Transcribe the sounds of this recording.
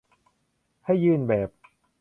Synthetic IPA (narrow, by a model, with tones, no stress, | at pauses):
ha˥˩jːɯː˥˩nbɛː˨˩p̚